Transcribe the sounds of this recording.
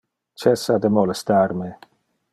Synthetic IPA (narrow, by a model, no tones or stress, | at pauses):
t͡ʃɛsad̪əmolest̪arme